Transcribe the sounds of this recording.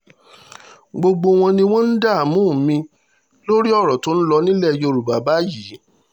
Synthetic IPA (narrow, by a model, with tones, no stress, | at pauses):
ɡ͡bo˧ɡ͡bo˧w̃ɔ̃˧nĩ˧w̃ɔ̃˦n̩˦da˦˨mũː˦˨˦mĩ˧ | lo˦ɾi˦ɔ˦˨ɾɔ˨to˨˦n̩˦lɔ˧nĩ˦lɛ˦˨jo˧˨ɾu˨ba˨ba˨˦ji˨˦